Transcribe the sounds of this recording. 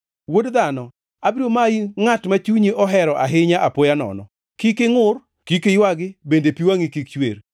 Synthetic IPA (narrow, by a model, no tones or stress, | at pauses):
wodd̪anɔ | abɾomajiŋatmat͡ʃuɲeʔɔɦɛɾɔʔa̰ɦɪɲaʔapojanɔ̰nɔ̰ | kikɪŋʊr | kikɪjwaɡɪbendepiwaŋikikt͡ʃwḛr